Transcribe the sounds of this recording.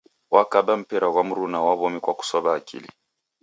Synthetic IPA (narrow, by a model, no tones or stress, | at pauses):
wakaɓam̩pɛɾaɣwam̩ɾunawaβɔmikwaku̥sɔβaːkḭlḭ